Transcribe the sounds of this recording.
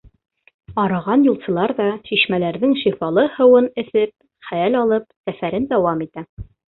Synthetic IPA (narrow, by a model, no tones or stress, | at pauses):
ɑɾɑʁɑnjulˠsɤ̆lˠɑɾðɑʃiʃmælæɾðɘŋʃifɑlˠɤhɤ̆wɤnɘ̆θɘp̚ | χæjælɑlˠɤp̚sæfæɾɘnd̪æwɑmit̪æ